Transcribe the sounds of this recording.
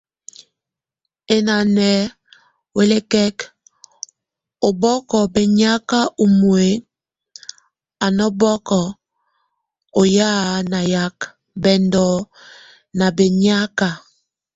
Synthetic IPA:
e˨na˨nɛ˨ | we˦le˦kɛ˦k | o˨bɔ˦kɔ˨be˨ɲa˦ka˦ʔo˨mu˨e˨ | a˨nɔ˦bɔ˦kɔ˨ | o˨ja˦na˨ja˦k | bɛ˨ndɔ˨ | na˨be˨ɲa˦ka˨

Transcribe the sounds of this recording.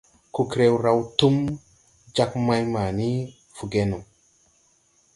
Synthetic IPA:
ku˨kɾe˦wɾa˦wtu˦m | d͡ʒa˦k̚ma˦jma˨ni˦ | fu˨ɡe˦nu˨

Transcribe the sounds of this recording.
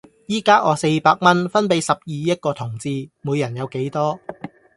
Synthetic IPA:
jiː˥kaː˥ʔɔː˨˧se˧jpaː˧k̚mɐ˥nfɐ˥npe˨˥jsɐ˨p̚jiː˨˧jɐ˥t̚kɔː˧t̪ʰʊ˨˩ŋt͡siː˧muː˨˧jɐ˨˩njɐ˨˧wke˨˥jt̪ɔː˥

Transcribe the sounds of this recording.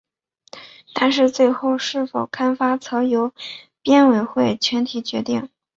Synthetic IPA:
t̪a˥˧nʂɻ̩˥˧t͡swe˥˧ɪxo˥˧ʊʂɻ̩˥˩fo˨˩ʊkʰa˥nfa˥t͡sʰɤ˧˥jo˧˥ʊ | pjɛ˥nwe˧˩ɪxwe˥˩ɪt͡ɕʰɥɛ˧˥nt̪ʰi˨˩t͡ɕɥɛ˧˥t̪i˥˩ŋ

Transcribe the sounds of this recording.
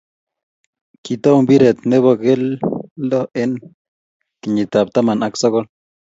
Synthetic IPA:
ki˨t̪o˦wmbi˦ɾe˨t̪̚ne˦βo˧ɡe˦lːo˦e˦n | ki˨ɲi˨t̪a˨p̚t̪a˦ma˨na˦kso˦ɡo˦l

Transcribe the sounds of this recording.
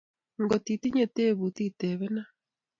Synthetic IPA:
ŋɡɔ˨ti˨ti˦ɲe˨te˦βu˨ti˦tɛ˨βɛ˦na˦

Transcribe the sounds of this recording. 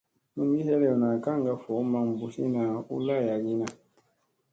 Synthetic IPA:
nũ˦mi˦hɛ˦lɛ˨ɔ˨na˨kã˦ŋ̩˨ɡa˧fo˨˦mã˧˦m˨bu˨si˦nã˨˦ṵ˦la˦˨ja˨ɡi˦nã˨

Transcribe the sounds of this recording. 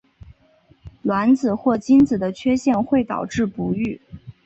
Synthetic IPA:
lwa˧˥nd͡zɹ̩˨˩xwɔ˥˩t͡ɕi˥nt͡sɹ̩˨˩d̪ə˦t͡ɕʰɥɛ˥ɕjɛ˥˧nxwe˥˩ɪt̪ɑ̰˨˩ʊʈ͡ʂɻ̩˥˩pu˧˥y˥˩

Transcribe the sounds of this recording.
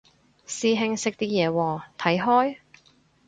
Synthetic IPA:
siː˧ɦɪ˧ŋsɪ˧k̚t̪iː˥jɛː˨˧wɔː˨˧t̪ʰɐ˨˥jɦɔː˥j

